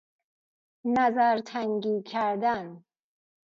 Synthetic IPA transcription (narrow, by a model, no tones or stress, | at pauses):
næzæɾt̪ʰæŋɡiːkʲʰæɾd̪æn